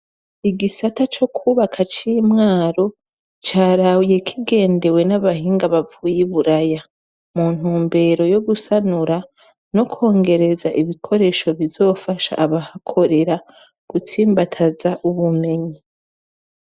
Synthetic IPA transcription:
iɡisatat͡ʃo̞kʰuβakʰat͡ʃiːmŋaːɾo̞ | t͡ʃaːɾawije̞kʰiɡe̞ːnde̞we̞naβaɦiːŋɡaβavuːjiβuɾaja | muːn̥huːmbe̞ɾo̞jo̞ɡusanuɾa | no̞kʰo̞ːŋɡe̞ɾe̞zaʔiβikʰo̞ɾe̞ːʃo̞βizo̞ːfaʃa̰ʔːβahakʰo̞ɾe̞ɾa | ɡ̥utʰiːmbatʰazaʔuβume̞ɲi

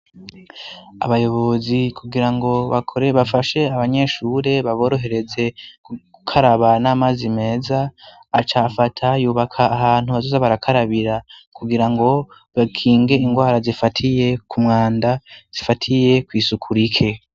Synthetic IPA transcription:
a̰βajo̞βo̞zikʰuɡiɾaŋɡo̞βakʰoɾeβafaʃe̞aβaɲe̞ʃuːɾe̞βaβo̞ːɾo̞ɦe̞ɾe̞ze̞kuɡukʰaɾaβanaːmazime̞ːzaː | t͡ʃafatʰajuːβakʰaːɦaːn̥huβazozaβaɾakʰaɾaβiɾakuɡiɾaŋɡo̞ | βakʰiːŋɡe̞iŋɡwaːɾazifatʰije̞kumŋaːndaz̥ifatʰije̞kwiːsukʰuɾikʰe̞

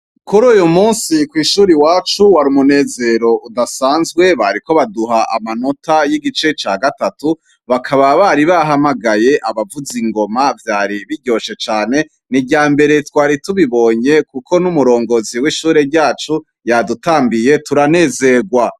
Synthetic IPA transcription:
kuɾuːjomuːnsikwiːʃuːɾiwaːt͡ʃuwaɾimune̞ːze̞ɾo̞udasaːnzɡwe̞βaɾiko̞βaduɦaʔa̰mano̞tʰajiɡit͡ʃe̞t͡ʃaːɡatatu | βakʰaβaβaɾiβaɦamaɡaje̞ʔaβavuziŋɡo̞mavjaːɾiβiɾɟo̞ʃe̞t͡ʃaːne̞ | niɟaːmbe̞ɾe̞twaːɾituβiβo̞ɲe̞kukʰo̞numuɾo̞ːŋɡoziwiʃuːɾeɾɟaːt͡ʃu | jadutaːmbije̞tuɾane̞ːze̞ɡwa

